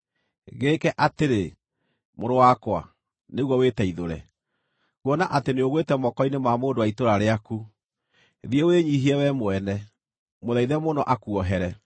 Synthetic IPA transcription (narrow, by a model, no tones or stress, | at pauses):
ɣeːkɛʔateɾe | moɾowakwa̰ | neɣwɔwetɛiðoɾɛ̰ | kwɔnaʔateneoɣwetɛmɔkɔinemamoːndowaitoɾaɾeaku | ðieweɲiɦiɛwɛmoɛnɛ | moðaiðɛmonɔʔakuɔɦɛɾɛ